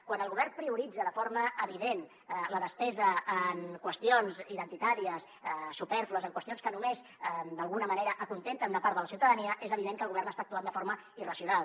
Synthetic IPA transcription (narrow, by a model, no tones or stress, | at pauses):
kwanəlɣuβɛrnpɾiuɾid͡zəðəfoɾməəβiðen | ləðəspɛzəːnkwəst̪ionziðənt̪it̪aɾiəs | supɛɾfluəzəŋkwəst̪ionskənumez | d̪əlˠɣunəməneɾəʔəkunt̪ent̪ənunəpaɾələsiwt̪əðəniəʔezəβiðeŋkəlɣuβɛrnəst̪aək̚t̪uand̪əfoɾmə | irəsiunalˠ